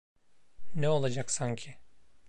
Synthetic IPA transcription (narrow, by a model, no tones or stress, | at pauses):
neo̞lˠad͡ʒaksaɲcʰɪ